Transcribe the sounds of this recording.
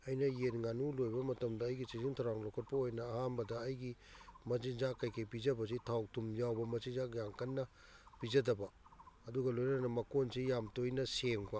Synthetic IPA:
ɐjnɐjenŋanulojbɐmɐtɐmdɐːjɡisiziŋtʰawɾaŋlokʰɐt̚pɐojnɐːhanbɐdɐːjɡimɐzizakːajkʰɐjpizɐbɐs̬itʰaw̚tʰumjawbɐmɐsizakjaŋkɐnːɐ | pizɐdɐbɐɐduɡɐlojnnɐmɐkonsijamtojnɐseŋpa

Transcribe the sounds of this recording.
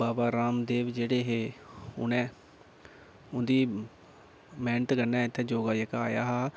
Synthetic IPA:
baːbaːɾaːmd̪eːʋd͡ʒeːɽeːɦeːʊ̰nɛ̃ː | ʊnd̪iː | mɛ̃ːɳʈɡənːɛ̃ːɪt̪ʰːeːd͡ʒoːɡaːjəkaːjaːɦaː

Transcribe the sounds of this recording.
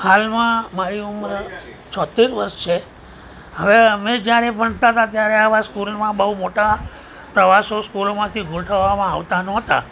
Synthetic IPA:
halmãmaɾiuməɾ | t͡ʃʰɔt̪ːiɾʋəɾʃt͡ʃʰe | ɦəʋemɛ̃d͡ʒjaɾebʱəɳt̪at̪at̪jaɾeaʋãskulmãbəɦumoʈa | pɾəʋasoskulomãt̪ʰiɡʱulʈʰəʋːamãa̰ʋt̪anɔ̃t̪a̰

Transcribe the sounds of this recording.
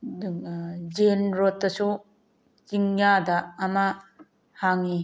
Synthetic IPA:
d͡ʒenɾot̪ːɐsu | t͡ʃiŋjadaːma | haŋi

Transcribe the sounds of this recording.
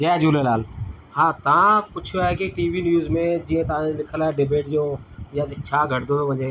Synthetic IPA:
d͡ʒɛːd͡ʒuːleːlaːl | hãːt̪əʋãːpʊt͡ʃʰoaekeʈiːʋiːnjuːzmẽːd͡ʒiːẽːt̪əãːlɪkʰəlaːeːɖebeːʈd͡ʒõːjaːt͡ʃʰaːɡʱəʈd̪oːt̪oːbʱə̃d͡ʒẽː

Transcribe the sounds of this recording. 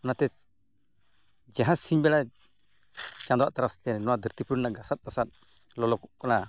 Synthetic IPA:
nat̪ɛ | d͡ʒaɦãsiɲbɛla | t͡ʃãnd̪ɔwaʔt̪aɾast̪ɛnɔwad̪iɾt̪ipɾunaɡasat̪̚kasat̪̚ | lɔlɔkɔʔkɔna

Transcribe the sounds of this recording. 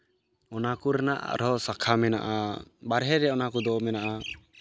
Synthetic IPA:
ɔnakuɾanaʔɾɔsakʰamɛna̰ʔabaɾɦɛɾɛɔnakud̪ɔmɛnaʔa

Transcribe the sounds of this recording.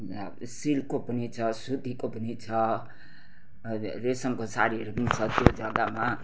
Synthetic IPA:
silkopʌnit͡sʰʌsud̪ʱikopʌnit͡sʰʌ | ɾesʌmkosaɾiɾʌknit͡sʰʌt̪jod͡zʌɡama

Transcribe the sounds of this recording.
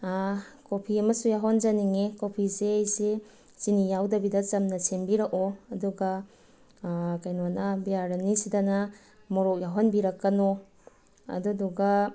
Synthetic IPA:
akopʰiɐmɐsujaɦonzaniŋekopʰizeːjse | sinijawdɐbidɐt͡ʃɐmnɐsembiɾɐkoɐduɡɐ | kajnoanɐbijaɾɐnisidɐna | mɔɾɔk̚jaɦɔnbiɾɐkːɐno | ɐ̰duduɡa

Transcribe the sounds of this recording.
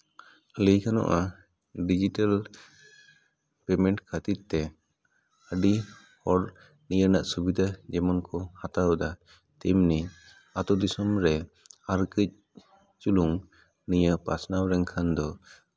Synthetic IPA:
ləjkʰanɔ̰ʔa | ɖid͡ʒiʈal | pɛmɛɳʈkʰat̪it̪t̪ɛ | əɖi | hɔɾ | nijəɾnaʔsubid̪ʱad͡ʒɛmɔnkɔhat̪awd̪a | t̪ɛmni | at̪ɔd̪isɔmɾɛ | aɾkəc̚ | t͡ʃuluŋ | nijəpa̰snawɾɛŋkʰand̪ɔ

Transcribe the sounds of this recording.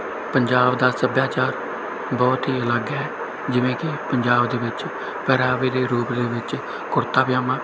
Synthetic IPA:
pəɲd͡ʒaːbd̪aːsəbjaːt͡ʃaːɾ | bɔːt̪ɦiːələɡɛː | d͡ʒɪʋẽːkɪpəɲd͡ʒaːbd̪eːʋɪt͡ʃ | pɛːɾaːʋeːd̪eːɾuːpd̪eːʋɪt͡ʃ | kʊɾt̪aːpjaːmãː

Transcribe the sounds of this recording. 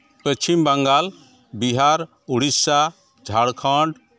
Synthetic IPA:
pət͡ʃʰimbəŋɡal | biɦaɾ | uɽisa | d͡ʒʱaɽkʰãɳɖ

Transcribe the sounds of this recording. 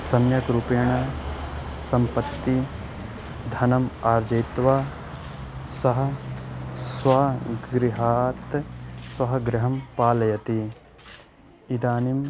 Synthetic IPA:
sɐmjɐkɾupɐjɐɳɐ | sɐmpɐt̪ːi | d̪ʱɐnɐmaːɾd͡ʒɐjt̪ʋa | sɐɦɐ̆ | sʋaːɡɾiɦaːt̪sʋɐɦɐɡɾɪɦɐmpaːlɐjɐt̪i | id̪aːnim

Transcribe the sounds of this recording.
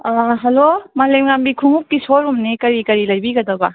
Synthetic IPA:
aɦelomalemŋambikʰuŋuk̚ːisoɾumnikɐɾikɐɾilɐjbiɡɐd̪ɐba

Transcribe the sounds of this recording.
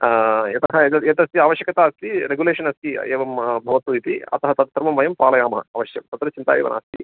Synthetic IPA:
jɐt̪ɐɦɐt̪ɐjɐt̪ɐst̪iaːʋɐʃjɐkɐt̪aːɐst̪iɾeɡuleːʂɐnɐst̪iḛːʋɐmbʱɐʋɐt̪ːuit̪iɐ̰t̪ɐɦɐt̪ɐt̪t̪ɾmɐmʋɐjɐmpaːlɐjaːmɐɦɐ̰ɐʋɐʃjɐmt̪ɐt̪ɾɐt͡ʃint̪a̰ːjḛːʋɐ̰na̰ːst̪i

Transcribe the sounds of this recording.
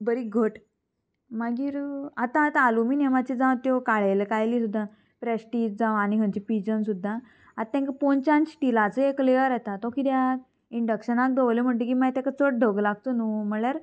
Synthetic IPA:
bəɾiɡʱəʈ | maɡiːɾat̪ãt̪alumiːnemat͡ɕid͡zãʋt̪jɔkaɭelekajlisud̪ʱːa | pɾesʈiːd͡ʑd͡zãʋañiɦə̃ɲt͡ɕipid͡ʑənsud̪ʱːa | at̪ːɛ̃ŋkəpont͡ɕãnt͡ɕʈilat͡səekːleəɾat̪at̪ɔ̃kiːd̪ja | iɳɖəkɕənak̚d̪əʋlem̤əɳʈekimajt̪ãkat͡səʈ̚ɖʱəɡlaɡ̚t̪onum̤əljaɾ

